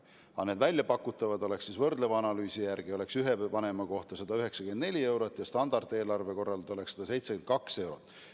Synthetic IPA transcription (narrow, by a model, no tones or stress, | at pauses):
ɑ̰ned̪vælʲjɑpɑkːˑut̪ːˑɑvɑd̪o̞le̞ksisvɤrd̪̥levɑɑnɑlyːsijærɡ̥io̞le̞ksyɦevɑne̞mɑko̞ht̪ɑsɑd̪ɑyɦe̞ksɑkyend̪ne̞lʲie̞wɾot̪ːˑjɑst̪ɑnd̪̥ɑrd̪̥e̞ːlɑrve̞ko̞rːɑlt̪o̞leksed̪ɑse̞jt̪sekyen̚kɑkse̞wɾot̪ːˑ